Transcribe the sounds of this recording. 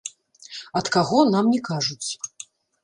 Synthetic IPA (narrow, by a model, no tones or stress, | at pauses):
ɐt̪kaɣɔnamnʲɛkaʐut͡sʲ